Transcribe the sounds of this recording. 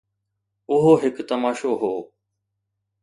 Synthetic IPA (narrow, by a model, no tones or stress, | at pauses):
ʊɦoːɦɪkt̪əmaːʃoɦoː